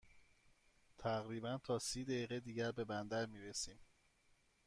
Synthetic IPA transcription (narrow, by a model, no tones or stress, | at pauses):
t̪ʰæʁɾiːbænt̪ʰɒːsiːd̪æjiːɣed̪iːɟæɾbe̞bænd̪æɾmiːɾesiːm